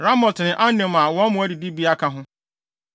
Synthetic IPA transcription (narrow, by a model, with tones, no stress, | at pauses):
ɾa˦mɔ̃˨tɪ˨nɪ̃˨ʔa˦nɪ̃˨mã˨wɔ̃˦mʊ̃˨˦æ˦di˨di˦bi˦a˦kʰa˦ɦʊ̃˦